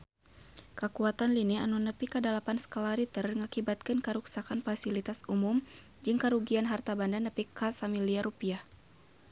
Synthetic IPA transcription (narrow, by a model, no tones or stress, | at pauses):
kəkuat̪anlinianunəpikədalapansə̥kolaɾit̪ərŋakibat̪̚kɨnkəɾuksakanfasilit̪asumum | d͡ʒɨŋkəɾuɡianɦart̪abandanəpikasamiliaɾupia